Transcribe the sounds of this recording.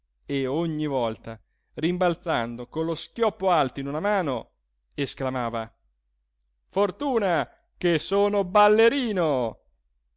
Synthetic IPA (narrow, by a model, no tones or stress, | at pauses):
eoɲːivɔlt̪a | rimbalt̪sand̪okonloskʲjɔpːoalt̪oinunamaːno | esklamaːva | fort̪uːna | kesoːnobalːeɾiːno